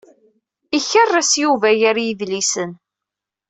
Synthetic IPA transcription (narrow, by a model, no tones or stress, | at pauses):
içərˤːæsjuvæjaɾjiðlisən